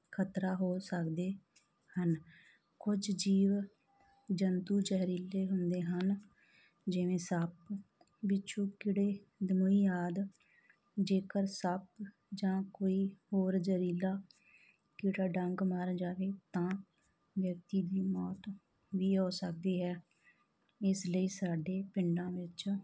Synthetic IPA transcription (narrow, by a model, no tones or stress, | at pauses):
kʰət̪ɾaːɦoːsəkd̪eː | hən | kʊd͡ʒd͡ʒiːʋ | d͡ʒənt̪uːd͡ʒəɦɾiːleːɦʊnd̪eːɦən | d͡ʒɪʋẽːsəp | bɪt͡ʃʰũːkɪɽeːd̪əmuːiːjaːd̪ | d͡ʒeːkəɾsəp̚ | d͡ʒãːkoːiːhoːɾd͡ʒəɾiːlaː | kɪɽaːɖəŋɡmaːɾd͡ʒaːʋeːt̪ãː | ʋjək̚t̪iːd̪iːmɔːt̪ | ʋiːɦoːsək̚d̪iːɦɛː | ɪsləiːsaːɖeːpɪɳɖãːʋɪt͡ʃ